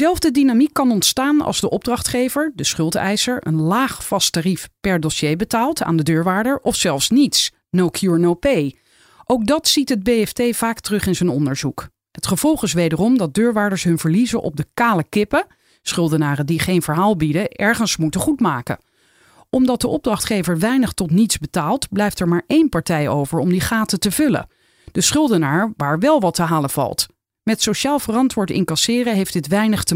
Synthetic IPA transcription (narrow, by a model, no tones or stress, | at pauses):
zɛlˠvdədinamikːɑnɔntstaːnɑ̰lˠzdəʔɔb̚drɑχtχejvəɹdəsχɵlˠtɛ̰jsəɹə̰nlaːχfɑstarifpɛɹdɔsejbətaːlˠta̰ːndədøːɹʋaːɹdəɹʔɔfsɛlˠfsnits | nowkʰjuːɹnowpej | ʔowk̚dɑtsitɦəd̚bejɛftejv̥aːktərɵχɪnzənɔndəɹzuk | ɦətχəv̥ɔlˠχɪsʋejdərɔmdɑd̚døːɹʋaːdəɹsɦɵnvəɹlizənʔɔ̰b̚dəkaːləkɪpə | sχʏlˠdənaːrədiχejnvəɹɦaːlˠbidəʔɛɹχənsmutəχutmaːkə̰ | ʔɔmdɑt̚dəʔɔb̚drɑχtχejvəɹʋɛjnəχtɔtnitzbətaːlˠtblɛjftɛɹmaːɹʔejnpɑɹtɛjo̰wvəɹɔmdiχaːtətəvɵlə̰ | dəsχʏlˠdənaːɹʋaːɹʋɛlˠʋɑtəɦaːləv̥ɑ̰lˠt | mɛtsoʃaːlˠvərɑntʋʊːɹtɪ̰ŋkɑsɪːrəɦejfdɪtʋɛjnəχtə